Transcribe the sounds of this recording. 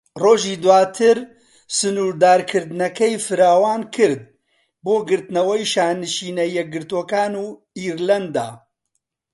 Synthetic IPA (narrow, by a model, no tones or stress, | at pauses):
roːʒiːd̪waːt̪ʰɨɾ | sɨnuːɾd̪aːɾkʰɨɾd̪nɐkɛjfɨɾaːwaːnkʰɨɾd̪̚ | boːɡɨɾt̪nɐwɛjʃaːnɨʃiːnɐjɛk̚ɡɨɾt̪oːkaːnuː | iːɾlɐnd̪a̰ː